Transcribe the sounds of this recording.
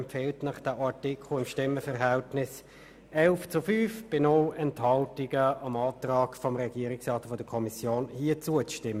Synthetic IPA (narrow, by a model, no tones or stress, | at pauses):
mpfeːltnɑχd̥æːʔɑʁtikʰlʊɪmʃtɪmːəfɛʁɦæltnɪs | ɛlft͡sʊfyːfb̥ɪnɔlɛnthɑltɪɡəɑmɑːtʁɑːɡfɔmʁɛɡ̥iːəɾɪksʁɑːtfɔdəkʰɔmisjoːnhiːt͡suət͡sʃtɪmːə